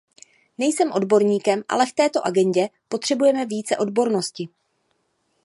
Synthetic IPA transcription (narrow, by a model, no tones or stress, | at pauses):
nɛjsɛmʔo̞dbo̞ɾɲiːkɛmʔa̰lɛft̪ɛːt̪o̞ʔaɡɛɲɟɛpo̞t̪r̝̥ɛbujɛmɛvjiːt͡sɛʔo̞dbo̞ɾno̞scɪ